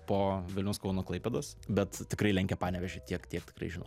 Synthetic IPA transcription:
poːʋʲɪlʲnʲʊskɐʊnoːklˠɐɪpʲɛd̪oːsbʲɛt̪t̪ʲɪkɾɐɪlʲɛŋʲkʲɛpɑːnʲɛʋʲɛʒʲet̪ʲiɛkt̪ʲiɛkt̪ʲɪ̥krɐ̰ɪʒʲɪno̰

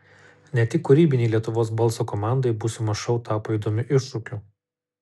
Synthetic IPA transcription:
nʲɛt̪ʲɪkːʊɾʲiːbʲɪnʲɛɪlʲiɛt̪ʊʋoːsbɔlˠsoːkɔmɑˑnd̪ɐɪbʊsʊmɐʃɐʊt̪ɑːpoːid̪omʲʊʔɪʃʃʊːkʲu

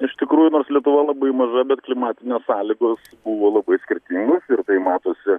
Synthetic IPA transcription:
ɪʃt̪ʲɪkɾuːjʊnoːɾslʲiɛt̪ʊʋɐlˠɐbɐɪmɐʒɐbʲɛt̪klʲɪmɑːt̪ʲɪnʲeːssɑːlʲiɡoːsbuʋoːlˠɐbɐɪsʲkʲɪɾʲt̪ʲiŋɡoːsɪrt̪ɐɪmɑːt̪oːsʲɪ

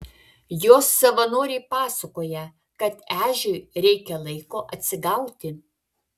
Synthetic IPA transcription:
joːsːɐʋɐnoːɾʲɛɪpɑːsɐkoːjɛ | kɐt̪æːʒʲʊɪɾʲɛɪkʲɛlˠɐɪkoːʔɐt̪ʲsʲɪɡɐʊt̪ʲɪ

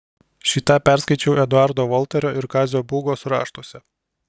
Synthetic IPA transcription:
ʃʲiːt̪ɑpʲæˑɾskɐɪt͡ʃʲɛʊɛd̪ʊɑɾd̪oːʋɔlˠʲt̪ʲɛɾʲoːʔɪɾkɑːzʲoːbuːɡoːsɾɑ̰ːʃt̪oɔsʲɛ

